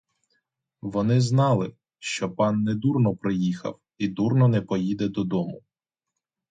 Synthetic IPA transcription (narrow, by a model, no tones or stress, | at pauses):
ʋɔnɪznɑlˠɪ | ʃt͡ʃɔpɑnːɛd̪urnɔpɾɪjixɐ̰w | id̪urnɔnɛpɔjid̪ɛd̪ɔd̪ɔmʊ